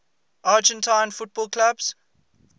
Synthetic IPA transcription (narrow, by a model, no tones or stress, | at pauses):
ʔaːd͡ʒə̃ntʰãɪ̃nfʊt̚b̥ɔːlˠkʰlabz̥